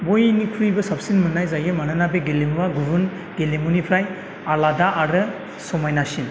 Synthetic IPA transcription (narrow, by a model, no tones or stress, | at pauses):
bojnikʰɾujbɐsap̚sinmɯnajzajɯmanɯnabeɡelemwaɡuɾun | ɡelemunipʰɾaj | aladaʔaɾɯ | sɔmajnasin